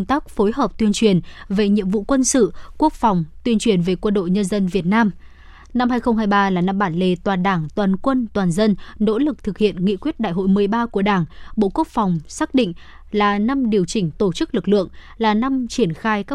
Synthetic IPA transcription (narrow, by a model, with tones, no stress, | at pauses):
ŋ͡mt̪aː˦˥k̚fo˨˦jɦəː˨˩p̚t̪wi˧ənt͡ɕwi˨˩ənve˨˩ɲḭ˧˨əmvṵ˧˨kwə˧nsɨ̰˧˨ku˦˥ək̚fa˨˩wŋ͡mt̪wi˧ənt͡ɕwi˨˩ənve˨˩kwə˧nɗo̰˧˨jɲə˧nzə˧nvi˨˩ət̚naː˧m | na˧mhɦaː˧jxə˧wŋ͡mɦaː˧jɓaː˧laː˨˩na˧mɓaː˧˩nle˧˩t̪waː˨˩nɗaː˧˩ŋt̪waː˨˩nkwə˧nt̪waː˨˩nzə˧nno̰˧˥lɨ˨˩k̚t̪ʰɨ˨˩k̚hḭ˧˨ənŋḭ˧˨kwi˦˥ət̚ɗa̰ː˧˨jɦo̰˧˨jmɨ˨˩əjɓaː˧ku˧˩əɗaː˧˩ŋɓo̰˧˨ku˦˥ək̚fa˨˩wŋ͡msaː˦˥k̚ɗḭ˧˨ŋ̟ | laː˨˩na˧mɗi˨˩əwt͡ɕï˧˩ŋ̟t̪o˧˩t͡ɕɨ˦˥k̚lɨ˨˩k̚lɨ̰˧˨əŋ | laː˨˩na˧mt͡ɕi˧˩ənxaː˧jkaː˦˥